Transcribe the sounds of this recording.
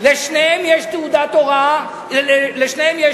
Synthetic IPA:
leʃnemjeʃt̪eud̪at̪oɣa | leʃnemje

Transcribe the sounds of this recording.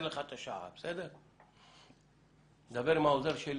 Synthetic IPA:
lɛχat̪ʼɔʃa̰a̰psɛd̪ɛ | d̪abɛɾmawuzaɾʃɛl

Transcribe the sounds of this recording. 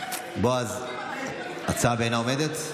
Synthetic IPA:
boaz | at͡sabeenaomed̪et̪

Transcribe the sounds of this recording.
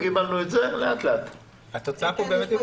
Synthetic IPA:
kibalnuetzeleat̪leat̪ | at̪ot͡saapobemet̪i

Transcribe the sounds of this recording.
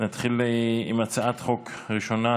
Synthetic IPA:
nat̪χilimat͡saʔat̪χo̞kʁiʃo̞na

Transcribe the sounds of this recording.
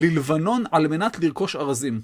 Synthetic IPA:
lilvano̞nalme̞nat̪liʁko̞ʃaʁazim

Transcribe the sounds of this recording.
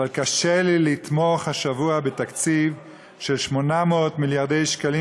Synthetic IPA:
alkaʃelilit̪moχhaʃavuabet̪akt͡siv | ʃe̞lʃmo̞nameotmiljaʁd̪e̞jʃkali

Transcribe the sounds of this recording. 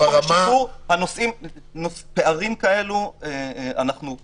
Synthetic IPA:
aʁamauhanosʔim | nospe̞aʁimkae̞lueʔa̰naχnu

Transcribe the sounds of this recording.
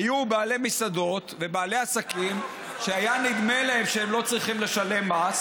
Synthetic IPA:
ajubaːle̞misad̪o̞t̪ve̞baːle̞asakim | ʃeajanid̪me̞laɦe̞mʃeemlo̞t͡sʁiχimle̞ʃale̞mːas

